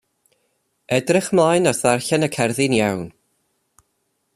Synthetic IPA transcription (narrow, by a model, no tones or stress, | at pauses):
ɛdrɪχmlˠajnɔθarɬɛnəkʰɛrðɪnjawn